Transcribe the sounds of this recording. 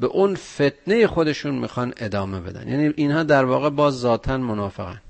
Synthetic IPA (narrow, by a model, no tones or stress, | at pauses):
beʔunfet̪̚ʰne̞jexo̞d̪e̞ʃuːnmḭːxɒne̞d̪ɒːmebe̞d̪æ̰njæ̰ːniːʔinhɒːd̪æɾvɒːɣe̞bɒːzːɒːt̪ʰænmonɒːfeɣæ̰n